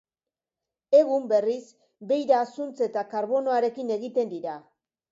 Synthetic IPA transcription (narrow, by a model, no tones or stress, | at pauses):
e̞ɣumbe̞ris | be̞jɾaːsunt͡se̞t̪akaɾβo̞no̞aɾe̞kine̞ɣit̪e̞nd̪iɾa